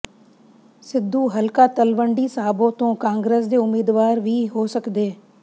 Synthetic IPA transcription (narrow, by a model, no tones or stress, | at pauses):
sɪd̪ʱːuːɦəlkaːt̪əlʋəɳɖiːsaːbõt̪õːkãːŋɡɾeːs̬d̪eːʊmiːd̪ʋaːɾʋʱiːɦoːsəkd̪eː